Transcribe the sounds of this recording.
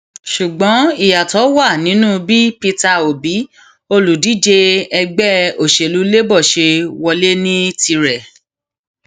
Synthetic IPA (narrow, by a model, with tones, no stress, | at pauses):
ʃu˨ɡ͡bɔ̃˨˦i˦˨ja˨tɔ˨˦wa˦˨nĩ˨˦nũ˦bi˦pi˧ta˧o˨bi˨˦ | o˧lu˨di˨˦d͡ʒe˧ɛ˧ɡ͡bɛ˦o˨ʃe˨lu˨˦le˦bɔ˦˨ʃe˧wɔ˧le˦nĩ˦ti˧ɾɛ˨